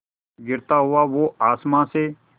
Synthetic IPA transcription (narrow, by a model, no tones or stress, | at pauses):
ɡɪɾt̪aːɦʊaːʋoːaːsmãːseː